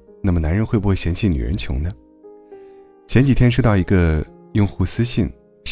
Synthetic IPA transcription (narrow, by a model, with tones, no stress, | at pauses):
na˥˩mə˩na˧˥nɻə˧˥nxwe˥˧bu˥xwe˥˩ɪɕɛ˧˥nt͡ɕʰi˥˩ny̰˨˩ɻə̰˧˥nt͡ɕʰjʊ̰˧˥ŋnə˧ | t͡ɕʰjɛ˧˥nt͡ɕi˨˩t̪ʰjɛ˥nʂ̬t̪ɑ˥˩ʊi˧˥ɡə˧ | jʊ˥˧ŋxu˥˩sɹ̩˥ɕi˥˩n